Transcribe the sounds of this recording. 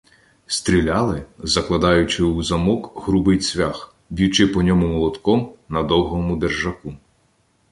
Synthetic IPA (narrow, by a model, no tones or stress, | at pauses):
st̪ʲɾʲilʲɑlˠɪzɐklˠɐd̪ɑjʊt͡ʃɪuzɐmɔkɦɾubɪjsʲʋʲax | bʲiwt͡ʃɪpɔnʲɔmʊmɔlˠɔd̪kɔmnɐd̪ɔwɦɔmʊd̪erʒɐku